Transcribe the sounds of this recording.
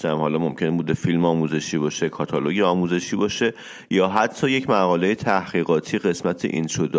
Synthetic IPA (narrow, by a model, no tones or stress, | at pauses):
t̪æmhɒːlɒːmo̞mcʰe̞nbuːd̪efilmɒːmuːze̞ʃiːbɒːʃekʰɒt̪ʰɒloɟeɒːmuːze̞ʃiːbɒːʃe̞ | jɒːɦæt̪ʰːɒːje̞cʰmæɣɒːle̞jet̪ʰæhɢ̥iːɣɒːt̪ʰiːɣe̞smæt̪ʰḛʔinʃod̪